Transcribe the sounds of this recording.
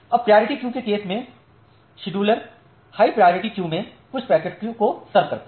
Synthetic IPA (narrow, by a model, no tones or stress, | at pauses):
ɐb̚pɾijoːɾɪʈikjuːkekeːsmẽ | ʃɪɖuːləɾ | haːipɾajoːɾɪʈikjuːmẽ | kʊt͡ʃʰpɾɛːkəʈkkosɐɾb̚kɐɾt̪ː